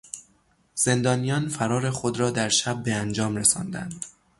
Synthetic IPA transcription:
z̥e̞nd̪ɒːnijɒːnfæɾɒːɾe̞xod̪ɾɒːd̪æɾʃæb̚ːeænd͡ʒɒːmɾesɒ̰ːnd̪æ̰nd̪̥

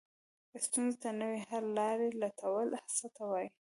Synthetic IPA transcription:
d̪əst̪unzet̪anəwehaɾlɑɾelat̪awəlhasat̪awɑji

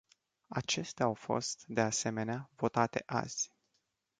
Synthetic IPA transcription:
at͡ʃe̞st̪eaawfo̞̰st̪d̪e̞ase̞me̞neavo̞t̪at̪e̞̰ʔa̰z̥ʲ

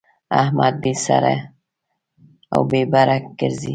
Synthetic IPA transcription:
a̰hmʔad̪̚bisa̰ɾe | a̰wbebaɾakɡəɾzḭ

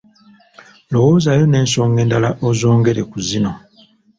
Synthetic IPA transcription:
lo̞woːzajo̞ne̞ːnso̞ːŋɡe̞ːndalaʔozo̞ːŋɡe̞ɾekuzino̞

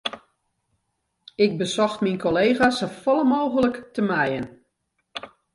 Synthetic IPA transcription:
ɪk̚bəsɔxtminkoleːɣasofɔləmoːɣələktəmɛjən

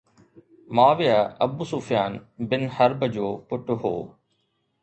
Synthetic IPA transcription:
maːʋɪjaɐbʊsuːfijaːnbɪnhəɾbəd͡ʑoːpʊʈɦo̰ː

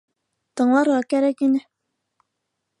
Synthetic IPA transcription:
t̪ɤ̆ɴlˠɑɾʁɑkæɾækinɘ

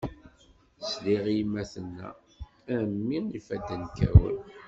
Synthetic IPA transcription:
sliʁjmːæθənːæ̰ | æmːiifæd̪ːənkæ̰wə̰n

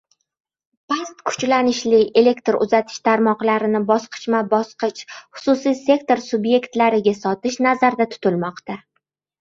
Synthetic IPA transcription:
pʰast̪kʰʊ̥t͡ʃlanɪʃlɪe̞le̞kt̪ɾʊ̰zat̪ʰɪ̥ʃt̪ʰaɾmɒqlaɾɪnɪbɒsqʰɨ̥t͡ʃmabɒsqɨt͡ʃχʊ̥sʊsijse̞kt̪oɾsʊbje̞kt̪laɾɪɡʲasɒt̪ɪʃnazaɾd̪at̪ʰʊ̥t̪ʰɪlmɒqt̪a

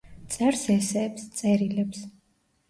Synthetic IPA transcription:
t̪sʼɛɾsɛsɛːpst̪sʼɛɾilɛps

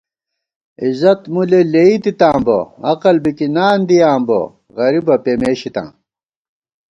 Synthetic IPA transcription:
izɐt̪muleleit̪it̪ãːmbo̰ɐqɐlbikinaːnd̪ijaːmbo̰ | ɣɐɾibɐpemeːɕit̪ã̰ː

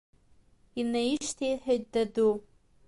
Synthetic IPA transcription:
inajiʂtʰejħᶣajt̚dadu

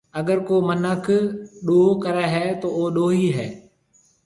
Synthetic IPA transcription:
ɐɡəɾkoːmənəkʰɗoːkəɾɛːɦɛːt̪oːoːɗoːɦiːɦɛː

